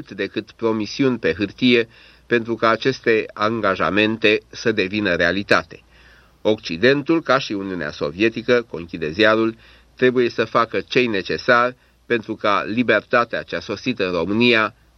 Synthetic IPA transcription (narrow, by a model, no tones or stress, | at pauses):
t̪d̪e̞kɨt̪pɾo̞misiunʲpe̞ɦɨrt̪ije̞ | pe̞nt̪ɾukaːt͡ʃe̞st̪e̞aŋɡaʒa̰me̞nt̪e̞səd̪e̞vinəɾe̞alit̪at̪e̞̥ | o̞kt͡ʃid̪e̞nt̪ulkaʃiuniunea̰so̞̰vie̞t̪ikəko̞ŋkʲid̪e̞ziaɾul | t̪ɾe̞buje̞səfakət͡ʃe̞jne̞t͡ʃe̞sarʲ | pe̞nt̪ɾukalibe̞rt̪at̪ea̰t͡ʃeaso̞sit̪əɨnro̞mɨnija